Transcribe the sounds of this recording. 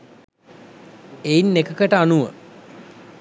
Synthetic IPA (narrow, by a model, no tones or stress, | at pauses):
einːekəkəʈəanuʋə